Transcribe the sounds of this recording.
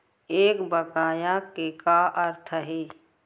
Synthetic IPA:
eːkbəɡaːjakekaʔəɾt̪ʰəɦeː

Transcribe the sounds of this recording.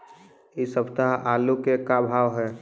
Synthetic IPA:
isəbt̪aɦʔaːlukekabʱaːʋɦɛː

